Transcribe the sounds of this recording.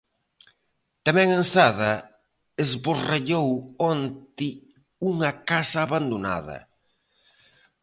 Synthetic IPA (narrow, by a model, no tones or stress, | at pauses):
t̪amɛ̃ŋensaðɐ | ezβoreʎowɔnt̪ɪ | uŋɐkasɐːβand̪ona̰ðɐ̰